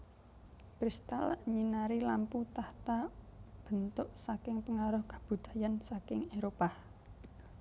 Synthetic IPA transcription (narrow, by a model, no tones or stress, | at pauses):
pɾist̪a̰lɲinaɾilamput̪aht̪ab̥ə̤nt̪ʊʔsakɪŋpəŋaɾʊhɡḁb̥ṳd̪̥a̤jansakɪŋeɾopah